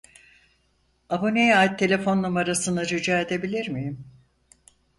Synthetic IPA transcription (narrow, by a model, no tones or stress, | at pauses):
abunejaːit̪ʰːe̞lʲe̞fo̞nːumaɾasɯnd̪ad͡ʒyd͡ʒaːed̪e̞bilʲiɾmijim